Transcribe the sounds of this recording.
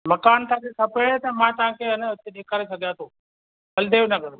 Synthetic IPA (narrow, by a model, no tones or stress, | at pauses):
mɐkaːnt̪ãkekʰɐpeɽt̪ɐmãt̪ɐʋãkʰeɦɐnəʊt̪eɗeːkəɾesʰɐɡʱijaːt̪ʰoː | bɐld̪ʱeːonɐkɐɾo